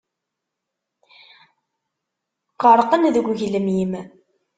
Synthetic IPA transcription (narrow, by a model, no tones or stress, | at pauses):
qəɾˤqənðəɡʷʝləmjim